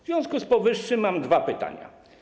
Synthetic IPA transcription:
vʲjɔ̃w̃skuspɔvɘʂːɘmːamd̪vapɘt̪a̰ɲa̰

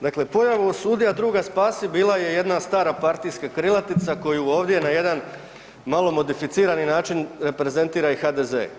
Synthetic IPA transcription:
d̪akle̞po̞jaʋuosuːd̪ijad̪ɾuːɡaspaːsibiːlaje̞je̞d̪nast̪aːɾapaɾt̪ijskakɾilˠat̪it̪sako̞juo̞ːʋd̪jenaje̞d̪an | malˠo̞mo̞d̪ifit̪siːɾaninaːt͡ʃinɾe̞pɾe̞ze̞nt̪iːɾaixad̪e̞ze̞̰

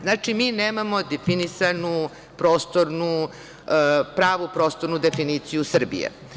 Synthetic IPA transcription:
znaːt͡ʂimiːneːmamo̞d̪efinisanu | pɾoːst̪oɾnu | pɾaːʋupɾo̞ːst̪o̞ɾnud̪efiniːt̪sijusr̩bḭjḛ

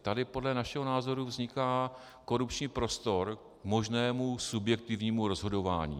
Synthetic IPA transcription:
t̪adɪpo̞dlɛnaʃɛɦonaːzo̞ɾuvzɲɪkaː | ko̞ɾupt͡ʃɲiːpɾo̞st̪o̞ɾ | kmo̞ʒnɛːmusubjɛk̚t̪ɪvɲiːmuɾo̞zɦo̞do̞va̰ːɲḭː

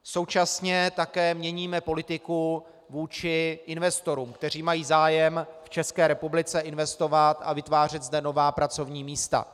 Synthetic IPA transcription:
so̞wt͡ʃasɲɛt̪akɛːmɲɛɲiːmɛpo̞lɪt̪ɪku | vuːt͡ʃɪʔɪnvɛst̪o̞ɾuːmkt̪ɛr̝iːmajiːzaːjɛmft͡ʃɛskɛːɾɛpublɪt͡sɛʔɪnvɛst̪o̞vat̪a̰vɪt̪vaːr̝ɛd̪zdɛno̞vaːpɾat͡so̞vɲiːmiːst̪a̰

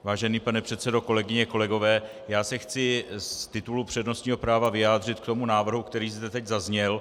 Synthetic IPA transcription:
vaːʒɛniːpanɛpr̥ɛt̪sɛdo̞ko̞lɛɡɪɲɛko̞lɛɡo̞vɛː | jaːsɛxt͡sɪst̪ɪt̪ulupr̝̥ɛdno̞st̪ɲiːɦo̞pɾaːvavɪjaːd̪r̝ɪt̪kt̪o̞munaːvr̩ɦukt̪ɛɾiːzd̪ɛt̪ɛɟzazɲɛl

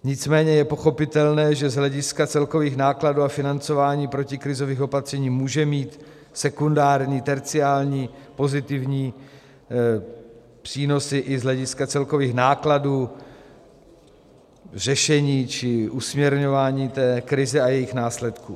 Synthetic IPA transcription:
ɲɪt͡smɛːɲɛjɛpo̞xo̞pɪt̪ɛlnɛːʒɛzɦlɛɟɪskat͡sɛlko̞viːxnaːkladuːafɪnant͡so̞vaːɲiːpɾo̞cɪkɾɪzo̞viːxo̞pat̪r̥ɛɲiːmuːʒɛmiːt̪ | sɛkundaːɾɲiːt̪ɛɾt͡sɪaːlɲiːpo̞zɪt̪ɪvɲiː | pr̥iːno̞sɪʔɪzɦlɛɟɪskat͡sɛlko̞viːxnaːkladuː | r̝ɛʃɛɲiːt͡ʃɪʔusmɲɛɾɲo̞vaːɲiːt̪ɛːkɾɪzɛajɛjɪxnaːslɛt̪kṵː

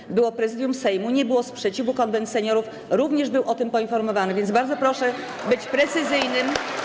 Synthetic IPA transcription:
bɘwɔpɾɛzɘd̪jumsɛjmuɲɛbɘwɔspʂɛt͡ɕivukɔnd̪ɛnt̪sɛɲɔɾuf | ɾuvɲɛʐbɘwʔɔt̪ɘmpɔinfɔɾmɔvanɘvʲjɛnzbaɾd̪zɔpɾɔʂɛ | bɘt͡ɕpɾɛt̪sɘzɘjnɘm

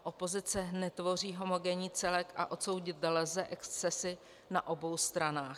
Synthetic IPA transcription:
ʔo̞po̞zɪt͡sɛnɛt̪vo̞r̝iːɦo̞mo̞ɡɛɲiːt͡sɛlɛkʔa̰ʔo̞t̪so̞wɟɪt̪̚dɛlɛzɛʔɛkst͡sɛsɪ | naʔo̞bo̞wst̪ɾanaːx

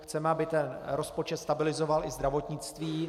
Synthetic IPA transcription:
xt͡sɛmɛabɪt̪ɛnɾo̞spo̞t͡ʃɛt̪st̪abɪlɪzo̞valʔɪzd̪ɾavo̞t̪ɲɪt͡st̪viː

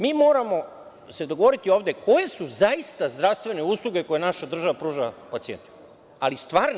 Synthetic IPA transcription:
miːmo̞ːɾamo̞ | se̞d̪oɡoʋo̞ɾit̪io̞ːʋd̪e̞ko̞je̞suzaist̪azd̪ɾaʋst̪ʋe̞ne̞uːslˠuɡe̞ko̞je̞naʃad̪r̩ʒaʋapɾuːʒapat̪sijent̪e̥ | alist̪ʋaːɾn

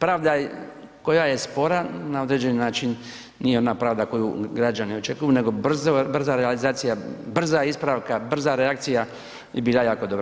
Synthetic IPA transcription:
pɾaːʋd̪ako̞jaje̞spo̞ɾanao̞d̪ɾeːd͡ʑe̞ninaːt͡ʃin | nijeo̞napɾaːʋd̪ako̞juɡɾad͡ʒanio̞t͡ʃe̞kujune̞ɡo̞br̩zobr̩zaɾealizaːt̪sijabr̩zaispɾaʋkabr̩zaɾeakt̪sija | jebiːlajaːko̞d̪o̞bɾa

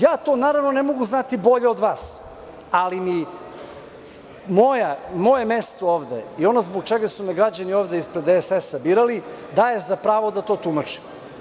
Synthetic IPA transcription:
jaːt̪o̞naːɾavno̞nemo̞ɡuznat̪ibo̞ʎeo̞d̪ʋaːs | alimi | mo̞jamo̞je̞mest̪ooːʋd̪ḛio̞nozbok̚t͡ʃeɡasumɛɡɾad͡ʑanioːʋd̪eispɾed̪esesabiɾali | d̪aje̞zapɾaːʋo̞d̪at̪o̞ːt̪umat͡ʂi̥

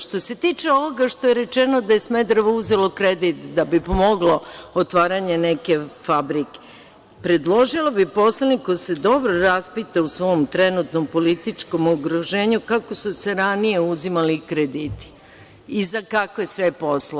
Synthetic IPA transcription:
ʃt̪o̞se̞t̪iːt͡ʃe̞o̞ʋoɡaʃt̪o̞je̞ɾet͡ʃenod̪aje̞smed̪ɾoʋouzelokɾed̪it̪d̪abipomoɡlo̞ot̪ʋaːɾaɲe̞neke̞fabɾike̥ | pɾe̞d̪lˠo̞ʒilobipo̞slanikose̞d̪o̞bɾoɾaspit̪ausʋo̞mt̪ɾenut̪nompo̞lit̪it͡ʃko̞moɡɾoʒe̞ːɲukako̞suse̞ɾanije̞uzimalikɾed̪iːt̪i̥ | izakakʋesʋepo̞slo

